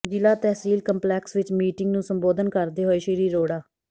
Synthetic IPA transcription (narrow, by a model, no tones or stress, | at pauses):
d͡ʒɪlaːt̪ɛːɦsiːlkəmplɛːksʋɪt͡ʃmiːʈɪŋɡnũːsəmboːd̪ənkəɾd̪eːɦoːeːʃiɾiːɾoːɽaː